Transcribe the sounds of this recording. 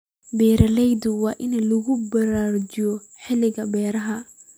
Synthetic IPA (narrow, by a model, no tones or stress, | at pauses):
bɛːɾɐlɛjd̪ʊwɑːʔɪnɐlʊɣʊbɐɾaːrt͡ʃɪjɔ | ħɪlɪɣɐbɛːɾɐɦɐ